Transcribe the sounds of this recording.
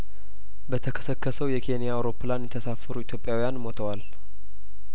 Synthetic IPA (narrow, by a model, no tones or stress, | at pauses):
bət̪ʰəkʰə̥səkːəsəwjɛkʰe̞nijaːwɾo̞pːɨlanjɛt̪ʰəsafəɾuit̪ʰjo̞pʼjawijanmo̞t̪ʰəwal